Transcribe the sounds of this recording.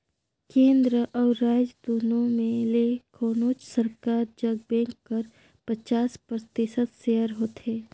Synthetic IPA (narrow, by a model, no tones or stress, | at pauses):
kẽːnd̪ɾəʔɔːɾːaːd͡ʒəd̪uːnõmẽlekʰoːnoːt͡ʃsəɾkaːɾd͡ʒɐɡ̚bɛ̃ːŋkːɐɾ | pət͡ʃaːspɾt̪ɪsət̪ʃeːəɾɦoːt̪eː